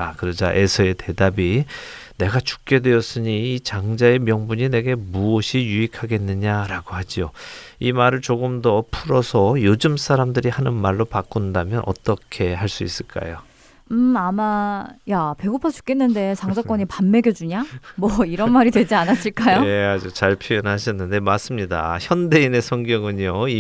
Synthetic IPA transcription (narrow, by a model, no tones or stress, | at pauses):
akɯɾʌd͡ʑaʔe̞sʰʌe̞te̞dabi | ne̞ɡat͡ɕu̥k̚k͈e̞dwe̞ʌs͈ɯɲiːt͡ɕaŋd͡ʑae̞mjʌŋbuɲine̞ɡe̞muʌɕʰijuikʰaɡe̞nːɯɲaɾaɡohad͡ʑioimaɾɯɭt͡ɕoɡɯmdʌpʰuɾʌsʰʌjod͡ʑɯmsʰaɾamdɯɾihanɯnmaɭːopak͈undamjʌnʔʌ̰t͈ʌkʰe̞haɭs͈uis͈ɯɭk͈a̰jo | amajape̞ɡupʰat͡ɕʰu̥k͈e̞nːɯnde̞t͡ɕaŋd͡ʑak͈wʌɲipamːe̞ɡʲjʌd͡ʑuɲamwʌiɾʌnmaɾidwe̞d͡ʑianas͈ɯɭk͈ajoead͡ʑut͡ɕaɭpʰojʌnɦaɕʰʌnːɯnde̞mas͈ɯmɲida̰çjʌnde̞ine̞sʰʌŋɡjʌŋɯɲjoi